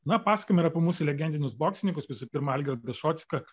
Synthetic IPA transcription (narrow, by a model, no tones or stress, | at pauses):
nɐpɑːsɐ̥kʲoːmʲɪɾɐpʲɪmuːsʊlʲɛɡʲɛnʲd̪ʲɪnʲʊsboːksʲɪnʲɪŋkʊsʋʲɪsʊpʲɪɾmɐɐlʲɡʲɛɾd̪ɐʃoːt̪sʲɪ̥kɐ